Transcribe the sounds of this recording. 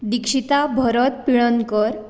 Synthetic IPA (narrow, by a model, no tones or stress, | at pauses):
d̪ikʂit̪abʱɔɾɔt̪̚piɭɔnkəɾ